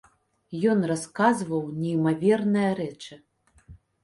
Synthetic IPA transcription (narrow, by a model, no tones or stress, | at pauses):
jɔnraskazvɐwnʲɛjmavʲɛrnɨjɐɾɛt͡ʂɨ